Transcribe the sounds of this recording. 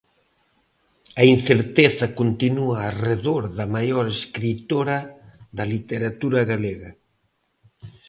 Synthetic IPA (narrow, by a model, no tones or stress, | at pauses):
ɐinθeɾt̪eθɐkont̪inuaːreðoɾðɐmajoɾeskɾit̪oɾɐðɐlit̪eɾat̪uɾɐɣaleɣɐ